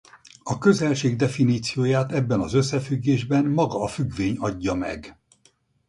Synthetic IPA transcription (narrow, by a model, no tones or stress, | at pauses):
ɒkø̞zɛlʃeːɡd̪ɛfiniːt̪sijoːjaːt̪ɛbːɛnɒzø̞sːɛfyɡːeːʒbɛnmɒɡɒːfyɡʋeːɲɒɟːɒmɛ̰ɡ